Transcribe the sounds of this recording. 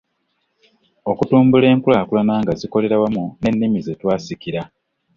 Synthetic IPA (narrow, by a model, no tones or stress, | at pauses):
o̞kutuːmbule̞ːŋkulaːkulanaːŋɡaziko̞le̞ɾawamune̞nːimizetwaːsikiɾa